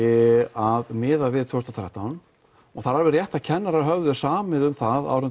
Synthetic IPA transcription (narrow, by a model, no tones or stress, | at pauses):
ɪaðmɪːðavɪðt̪ʰɔwst̪aθʰɾɛ̰ht̪awn | ɔɣθaɾaɾvɪrjɛht̪acʰɛnːaɾaɾɦœvðʏsaːmɪðʏmθaða̰wɾʏn